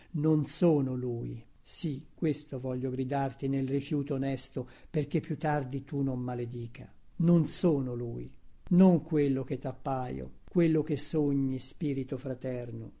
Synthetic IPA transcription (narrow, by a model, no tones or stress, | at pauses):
nonsoːnolui | sikːwest̪ovɔʎːoɡɾid̪art̪inelrifjuːt̪oːnɛst̪operk̟epːjut̪ːard̪it̪unomːaled̪iːkʰa̰ | nonsoːnoluinoŋkwelːok̟et̪ːapːaːjo̰kwelːok̟esːoɲːispiːɾit̪ofɾat̪ɛrno̰